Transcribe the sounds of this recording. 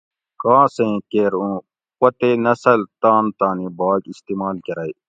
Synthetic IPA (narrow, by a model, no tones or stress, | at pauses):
kãːsẽːkeɾũː | pɐt̪eːnɐsəlt̪aːnt̪aːnĩːbaːɡist̪iːmaːlkɐɾaːiː